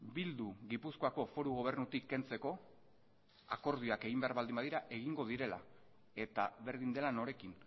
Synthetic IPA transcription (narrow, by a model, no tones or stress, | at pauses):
bild̪uɣipusko̞ako̞fo̞ɾuɣ̞o̞β̞e̞ɾnut̪ikːe̞nt͡se̞ko̞ | a̰ko̞ɾð̞ioake̞ɣ̞imbe̞aɾβald̪imbaðiɾaʔe̞ɣ̞iŋɡo̞ð̞iɾe̞la̰ | e̞t̪aβe̞ɾðind̪e̞lano̞ɾe̞kin